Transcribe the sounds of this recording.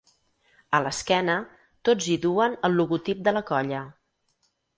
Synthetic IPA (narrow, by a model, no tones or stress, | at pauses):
ələskɛnə | t̪od͡ziðuənəlˠːuɣut̪ip̚d̪ələkɔʎə